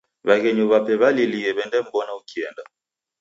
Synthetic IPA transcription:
βaɣɛɲuβapɛβaliliɛβɛndɛm̩bɔnaukiɛnda

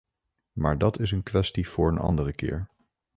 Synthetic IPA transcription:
maːɹdɑtɪs̬ənkʋɛstiv̥ʊːɹənɑ̰ndərəkɪ̰ːɹ

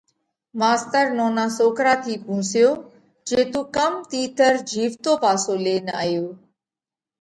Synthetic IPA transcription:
maːst̪əɾnoːnaːsoːkɾaːt̪ʰiːpũːsɪjoː | d͡ʒeːt̪ũkəmt̪iːt̪əɾd͡ʑʱiːʋt̪oːpaːsoːleːna̰ːjoː

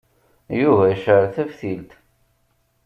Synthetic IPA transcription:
juvæʃəɾθævθilt̪

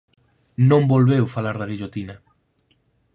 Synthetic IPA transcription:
nõmbolβewfalaɾðaɣiʎot̪ina

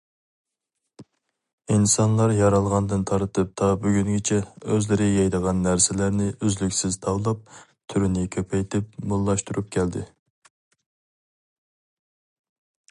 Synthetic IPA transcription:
insɑnlˠɑɾjɑɾɑlˠʁɑnd̪ɨnt̪ʰɑɾt̪ʰɨp̚t̪ʰɑbyɡʲyŋɡʲɪt͡ʃʰɛøzlɪɾɪjɑjd̪əʁɑnːæɾsɪlæɾnɪʔyzlykʲsɪz̥t̪ʰɑwlˠɑp̚ | t̪ʰyɾynɪkʲʰøpʰɛjt̪ʰɪpmulˠːɑʃt̪uɾup̚kʲʰɛld̪ɪ̰

